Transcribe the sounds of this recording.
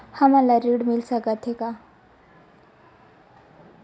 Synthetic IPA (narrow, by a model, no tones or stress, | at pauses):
hamalaɾiɽmilsəkat̪ʰeka